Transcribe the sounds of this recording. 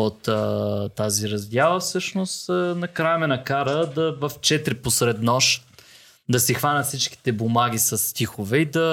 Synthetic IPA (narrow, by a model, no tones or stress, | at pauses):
ot̪t̪ːaziɾɐzd̪ʲalˠəfsɤʃnost̪nɐkɾajmɛnɐkaɾəd̪ɐvɐft͡ʃɛt̪ɾiposɾɛd̪nɔʃ | d̪ɐsixvanət̪fsit͡ʃk̟i̥t̪ɛbomaɡʲisɐsːt̪ʲixovɛid̪ɐ